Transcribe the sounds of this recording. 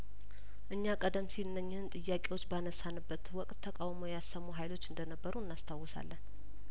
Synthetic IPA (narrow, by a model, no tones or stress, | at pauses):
ʔɨɲːakʼəd̪əmsilɨnːəɲːhɨnt̪ʼɨjːakʼe̞wo̞t͡ʃːbanəsːanɨbːət̪wɔkʼt̪ʰːəkʼawməjasːəmːuɦajlo̞t͡ʃːɨnd̪ənəbːəɾuɨnːast̪ʰawːɔsa̰lːən